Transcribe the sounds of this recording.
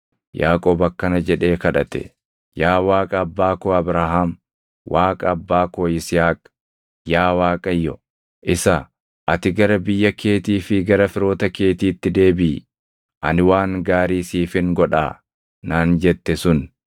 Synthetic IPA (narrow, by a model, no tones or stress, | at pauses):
jaːkʼoːbɐkːɐnɐd͡ʒɛᶑe̞ːkɐᶑɐt̪ɛ̰ | jaːwaːkʼɐɐbːaːkoːɐbɾaːɦam | waːkʼɐːbːaːkoːɪsɪaːkʼ | jaːwaːkʼɐjːɔ | ʔɪsɐ | ʔɐt̪ɪɡɐɾɐbɪjːɐkʰe̞ːt̪iːfɪɡɐɾɐfɪɾo̞ːt̪ɐke̞ːt̪iːt̪ːɪd̪e̞ːbiː | ʔɐ̰nɪwaːŋɡaːɾiːsiːfɪŋɡɔᶑa̰ː | naːnd͡ʒɛt̪ːɛsʊn